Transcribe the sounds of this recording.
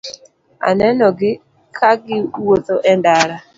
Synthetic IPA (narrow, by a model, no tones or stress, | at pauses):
a̰nɛnɔɡɪ | kʰaɡɪwot̪oʔɛndaɾa